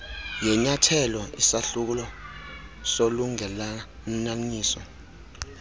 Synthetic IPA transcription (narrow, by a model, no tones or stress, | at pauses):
jɛɲatʰɛlɔisaɬuk̬ulɔ | soluŋɛla | m̩naɲiːsɔ̰